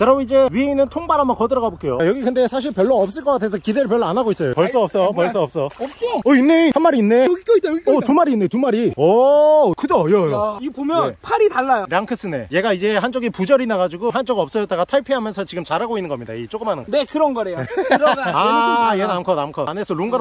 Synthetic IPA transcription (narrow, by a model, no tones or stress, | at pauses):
aɾʌid͡ʑe̞ɥiinɯntʰoŋbaɾamʌkʌdɯɾʌɡabok͈e̞jojʌɡikɯnde̞sʰaɕ̬ʰiɭpjʌɭːoʌp̚s͈ɯɭk͈ʌk͈atʰes̬ʰʌkideɾɯɭp̬jʌɭːoanaɡois͈ʌjopʌɭs͈oʌp̚s͈ʌpʌɭs͈oʌp̚s͈ʌʌinːehanmaɾiːnːe̞ʌt̪umaɾiːnːe̞tumaɾiʌkɯdeʌjʌjoipomjʌnepʰaɾitaɭːajoɾjaŋkʰɯs͈ʰɯne̞̰je̞ɡaid͡ʑe̞ɦant͡ɕ͈oɡipud͡ʑʌɾinaɡad͡ʑuɡoɦant͡ɕ͈oɡʌp̚s͈ʌjʌt͈aɡatʰaɭpʰeɦamjʌnsʰʌt͡ɕiɡɯmt͡ɕaɾaɡoinːɯnɡʌ̰mɲida̰iet͡ɕ͈oɡɯmɦanɯŋɡʌnekɯɾʌnɡʌɾejo | ajenamkʰʌnamkʰʌnesʰʌɾuŋɡa